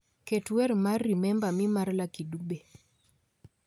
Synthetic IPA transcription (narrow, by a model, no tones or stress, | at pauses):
ketwɛɾmarːimɛmbamimarlakidube